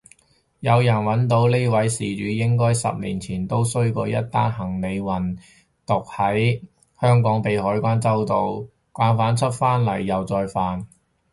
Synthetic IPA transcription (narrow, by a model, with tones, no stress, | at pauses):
jɐ˨˧wjɐ˨˩nwɐ˨˥nt̪o˨˥wle˥wɐ˨˥jsiː˨˩t͡ʃyː˨˧˥jɪ˥ŋkɔː˥jsɐ̰˨p̚lḭː˨˩nt͡sʰiː˨˩nt̪o˥wsɵ˥ɥkɔː˧jɐ˥t̚t̪ːaː˥nhɐ˨˩ŋne˨˧jwɐ˨˩n | t̪ʊ˨k̚hɐ˨˥j | hœː˥ŋkɔː˨˥ŋpe˨jhɔː˨˥jkʷaː˥nt͡sɐ˥wt̪o˨˧w | kʷaː˨˥nfaː˨˥nt͡ʃʰɵ˥t̚faː˥nlɐ̰˨˩jːɐ˨wt͡sɔː˧jfaː˨n